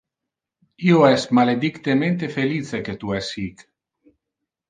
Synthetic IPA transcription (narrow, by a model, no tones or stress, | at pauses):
ioɛsmaled̪ikt̪ement̪̬efelit͡seket̪uɛsik